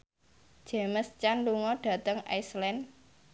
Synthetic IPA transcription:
d͡ʒ̥eməst͡ʃanluŋɔɖ̥ä̤t̪əŋa̰jslɛn

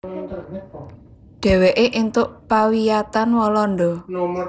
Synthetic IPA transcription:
ɖ̥ɛ̤weʔeʔint̪ʊʔpawijat̪anwɔlɔnɖɔ

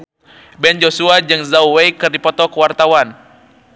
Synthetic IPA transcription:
bɛnd͡ʒosuad͡ʒɨŋzawwejkɨrdipɔt̪ɔkəwart̪awan

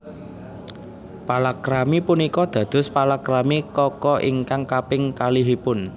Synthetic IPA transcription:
palakɾamipunikɔd̪̥ä̤d̪̥ʊ̤spalakɾamikɔkɔʔiŋkaŋkapɪŋkaliɦipʊn

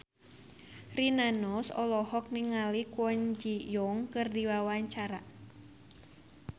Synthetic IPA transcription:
rinanɔsɔlɔhɔk̚niŋalikwɔɲd͡ʒijɔŋkɨrdiwawaɲt͡ʃaɾa

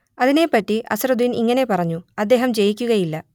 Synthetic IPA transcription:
ɐðine̞pːɐtːiʔɐsrɐd̪uiniŋːɐne̞pɐrɐɲːuɐd̪ːe̞ːɦɐmt͡ɕe̞jikʲːuɣɐjilːɐ

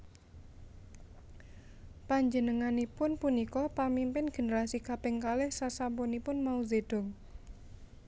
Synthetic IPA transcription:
paɲd͡ʒənəŋanipʊnpunikɔpamimpɪnɡ̥e̤nəɾasikapɪŋkalɛhsasampɔnipʊnmauzed̥ɔ̤ŋ

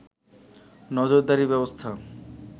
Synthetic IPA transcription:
nɔd͡ʑoɾd̪aɾibɛbost̪ʰa

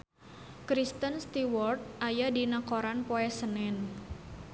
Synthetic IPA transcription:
kɾist̪ənst̪iwɔrt̪̚ʔajadinakoɾanpoɛsənɛn

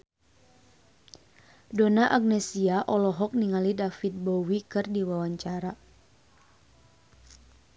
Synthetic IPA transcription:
dɔnaʔaɡ̚nɛsiaʔɔlɔɦɔk̚niŋalidafit̪̚bɔwikɨrdiwawaɲt͡ʃaɾa

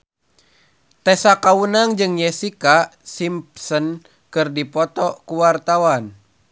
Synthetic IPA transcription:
t̪ɛsakaunaŋd͡ʒɨŋjɛsikasimpsən | kɨrdipɔt̪ɔkuwart̪awan

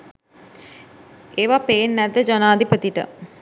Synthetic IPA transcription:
eːʋapeːnːɛd̪ːəd͡ʒanaːd̪ipət̪iʈə̰

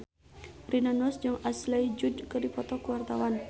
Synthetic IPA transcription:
rinanɔsd͡ʒɨŋaslajd͡ʒudkərdipɔt̪ɔkuwart̪awan

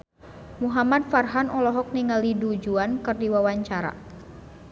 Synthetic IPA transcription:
muɦamad̚farɦanɔlɔɦɔk̚niŋaldidud͡ʒuankɨrdiwawaɲt͡ʃaɾa̰

